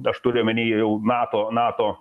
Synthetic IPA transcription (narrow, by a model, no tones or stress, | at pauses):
ɐʃt̪ʊɾʲɪjmʲɪnʲiːjɛʊnɑːt̪oːnɑːt̪oː